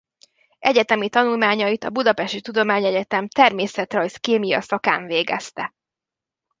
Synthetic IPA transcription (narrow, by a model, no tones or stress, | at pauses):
ʔɛɟɛt̪ɛmit̪ɒnulmaːɲɒit̪ɒ̰bud̪ɒpɛʃt̪it̪ud̪omaːɲɛɟɛt̪ɛmt̪ɛrmeːsɛt̪rɒjskeːmijɒ̰sɒka̰ːɱveːɡɛ̰st̪ɛ̰